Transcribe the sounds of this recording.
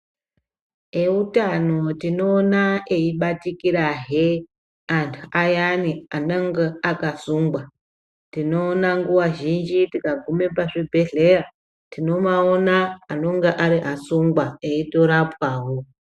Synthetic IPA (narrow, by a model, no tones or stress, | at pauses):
eutano̞tino̞ːnaeiɓatikiɾaɦe | antʰuʔajanianoŋɡeakasuŋɡwa | tino̞ːnaŋɡuwaʒind͡ʒitikaɡʱume̞paʐibʱe̞ɮe̞ra | tino̞maonaːno̞ŋɡeʔaɾiɦasuŋɡwaeito̞ɾapwaːwo